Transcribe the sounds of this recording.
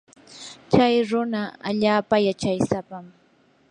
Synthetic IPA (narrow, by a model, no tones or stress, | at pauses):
t͡ʃajɾʊnaa̰ʎaːpajat͡ʃajsapam